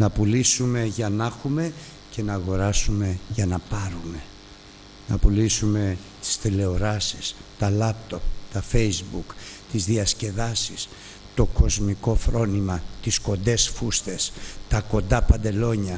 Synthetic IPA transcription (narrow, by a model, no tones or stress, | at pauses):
nɐpulisume̞ʝɐnɐxume̞ | ce̞nɐːɣo̞ɾɐsume̞ʝɐnɐpɐɾume̞ | nɐpulisume̞ | t̪i̥sθile̞o̞ɾɐsist̪ɐlɐpt̪o̞pt̪ɐfe̞jzbukt̪izðiɐsce̞ðɐsis | t̪o̞ko̞zmiko̞fɾo̞nimɐt̪isko̞nd̪e̞sfust̪e̞st̪ɐko̞nd̪ɐpɐnd̪e̞lo̞ɲɐ